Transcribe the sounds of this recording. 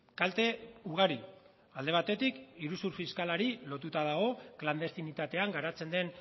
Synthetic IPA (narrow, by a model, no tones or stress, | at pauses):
kalt̪e̞uɣ̞aɾi | ald̪e̞β̞at̪e̞t̪ikiɾusuɾfiskalaɾilo̞t̪ut̪að̞aɣ̞o̞kland̪e̞st̪init̪at̪e̞aŋɡaɾat͡se̞nd̪e̞n